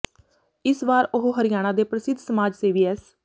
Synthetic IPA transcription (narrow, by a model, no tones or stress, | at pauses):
ɪsʋaːɾʊɦoɦəɾɪjaːɽ̃aːd̪eːpɾəsɪd̪ʱsəmaːd͡ʒseːʋiːɛːs